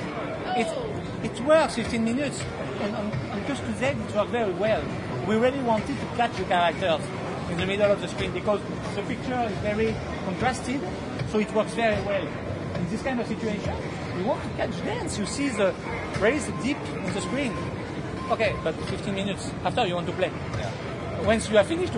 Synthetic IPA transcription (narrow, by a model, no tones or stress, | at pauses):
it | ɪtwɜ˞ksfiftĩnminɨts | ɨ̃nə̃ñnkɔstuðɛtɪtwɜ˞kvɛɹiwɛl | wiɹilˠiwɑ̃ntɨd̚tuklat͡ʃðəkaɹak̚tə˞z | ɪ̃nðəmidəl̩ɔvðəskɹĩnbikɔz | ðəpik̚t͡ʃə˞ɪzvɛɹi | kɔ̃ntɹ̥astiv | soitwɜ˞ksvɛɹiwɛl | ɛ̃nðiskãj̃ndɔv̥sit͡ʃʉeʃə̃n | wiwɑ̃ntukat͡ʃdɛ̃nsjusiðə | ɹezdip | ɔ̃nðəskɹĩn | okebʌtfiftĩnmĩnjuts | aftə˞juwɑ̃ntːu̥ple | wɛ̃nsjufĩnɪʃt